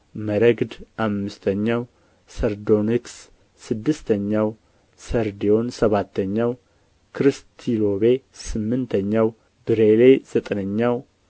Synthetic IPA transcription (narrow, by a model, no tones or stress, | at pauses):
məɾəɡd̪ʔamːɨst̪ʰəɲːaw | səɾd̪oniksː | ɨd̪ːɨst̪ʰəɲːaw | səɾd̪ijo̞nsəβat̪ːəɲːaw | kʰɾɨst̪ʰilo̞βesɨmːɨnt̪ʰəɲːaw | bɨɾelez̥ət̪ʼnəɲːaw